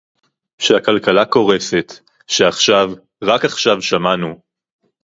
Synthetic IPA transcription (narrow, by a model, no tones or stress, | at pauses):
ʃehakalkalako̞ʁe̞fe̞t̪ | ʃeaχʃav | ʁakaχʃavʃamanu